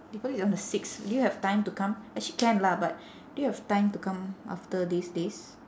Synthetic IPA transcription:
bipɔlisɔ̃ndəsiksdujuhɛv̥tãj̃mtukãmɛk̚t͡ʃikɛ̃nlabat̚ | dujuhɛv̥tãɪ̃mtukãmʔa̰ftədisdes

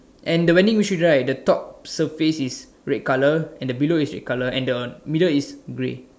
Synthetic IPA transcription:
ʔɛ̃ndəwɛ̃ndĩŋwit͡ʃudɹajdətɔp̚səfesis | ɹɛt̚kaləɛ̃ndəbiloisɹɛ̰t̚kaləɛ̃ndəmidəlisɡɹḛ

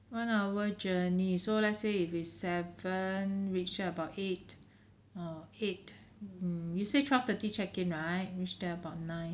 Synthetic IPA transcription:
wãnawəd͡ʒənisolɛtseitwisɛvə̃nɹit͡ʃəəbaʊtet̚ | ɔet̩̚ | jusetʰɹaf̚tətit͡ʃɛkĩŋɹaɪt̚ɹit͡ʃdɛəbaʊt̚nãɪ̃n

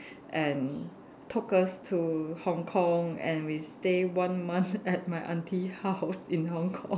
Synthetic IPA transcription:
ʔɛ̃n | tʰʊkəstʰuhɔ̃ŋkʰɔ̃ŋɛ̰̃nwistewãnmãnθɛt̚maɪʔãntʰihaʊsĩnhɔ̃ŋkʰɔ̰̃ŋ

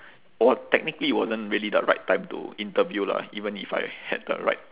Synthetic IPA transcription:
ɔtɛk̚nikəliwɔzə̃ntɹiəlidə̰ɹa̰ɪtʰːãɪ̃mtṵĩntəvjula̰ivə̃nifa̰jhɛ̰d̚də̰ɹa̰ɪt̚

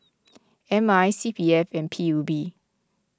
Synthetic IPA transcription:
ʔɛ̃majsipiɛfɛ̃npʰiubi

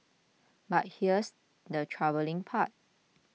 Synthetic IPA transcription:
bat̚hiəs | dətʰɹavəlɪ̃ŋpʰat̚

